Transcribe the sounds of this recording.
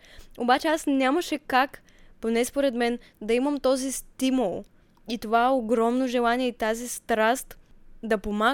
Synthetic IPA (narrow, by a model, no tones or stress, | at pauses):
obat͡ʃɛasnʲaməʃɛkak | ponɛspoɾɛd̪mɛn | d̪ɐiməmt̪ɔzist̪imulˠ | it̪ovaɛoɡɾɔmnoʒɛlˠaniɛit̪azist̪ɾast̪d̪ɐpoma